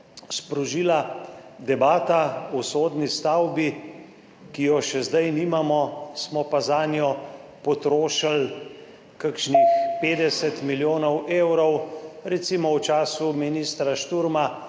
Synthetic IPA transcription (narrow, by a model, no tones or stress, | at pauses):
spɾɔʒiːlad̪ɛbaːt̪aɔsoːd̪nist̪awbi | kijɔʃɛzd̪ajniːmamɔsmɔpazaːnjɔpɔt̪ɾoːʃal | kakʃnixpeːd̪ɛsɛt̪miljoːnɔweːwɾɔwɾɛt̪simɔwt͡ʃaːsuminiːst̪ɾaʃt̪uɾma